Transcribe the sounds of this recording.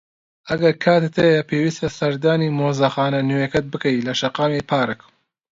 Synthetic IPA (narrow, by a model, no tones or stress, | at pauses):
ʔɐɡɐɾkʰaːt̪et̪ʰɐjɐpʰeːwiːst̪ɐsɐɾd̪aːniːmoːzɐxaːnɐnuwekɐt̪̚bɨkɐjlɐʃɐqaːmepʰaːɾɨk